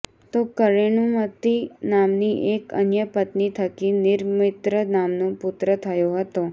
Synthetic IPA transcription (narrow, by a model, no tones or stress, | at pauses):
t̪okəɾeɳumət̪inamniʔekə̰njəpət̪nit̪ʰəkinɪɾmɪt̪ɾənamnõpʊt̪ɾət̪ʰəjoɦət̪o